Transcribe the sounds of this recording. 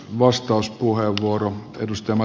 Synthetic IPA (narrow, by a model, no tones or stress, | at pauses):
ʋɑst̪ɑuspuheʋʋuoroḛdust̪ɑjɑmɑ